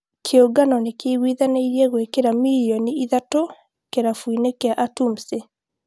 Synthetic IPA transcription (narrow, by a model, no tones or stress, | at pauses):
kʰeoɡanɔnekeɣwiðanaiɾiɛɣwekeɾamiliɔniiðato | keɾafuinekeaʔatum̩se